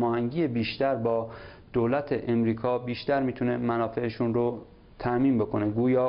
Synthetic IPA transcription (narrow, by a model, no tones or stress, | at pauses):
mɒːhæŋɟiːebiːʃt̪æɾbɒː | d̪̥oːlæt̪ʰeʔemɾiːkʰɒːbiːʃt̪æɾmiːt̪ʰune̞mænɒːfe̞eʃunɾo | t̪ʰæʔmiːnbo̞kʰo̞neɡuːjɒː